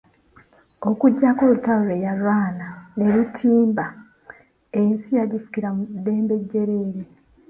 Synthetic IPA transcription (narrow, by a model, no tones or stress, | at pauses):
o̞kuɟːako̞ːlutauɾejalwaːnane̞ɾitʰiːmba | ensijaɟifu̥kiɾamud̪ːe̞ːmbe̞ɟːe̞ɾe̞ɾe